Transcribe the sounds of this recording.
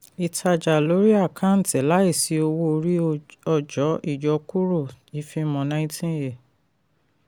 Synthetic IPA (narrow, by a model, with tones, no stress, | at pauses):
i˨tʰa˧d͡ʒa˨lo˨˦ɾi˦a˦˨kʰã˦n̩˨tɛ˨˦la˦i˦˨si˧˦o˧wo˧ɾi˦ɔ˧d͡ʒɔ˨˦i˦˨d͡ʒɔ˨˧ku˦ɾo˦˨i˨˦fi˧mɔ̃˧˨nã˨˦ĩ˦tĩ˦je˨